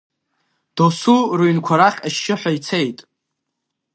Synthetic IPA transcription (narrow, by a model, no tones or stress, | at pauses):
d̥osurɨɥnkʷʰaɾaχʲaʃːɪħᶣʷajt͡sʰe̞jtʼ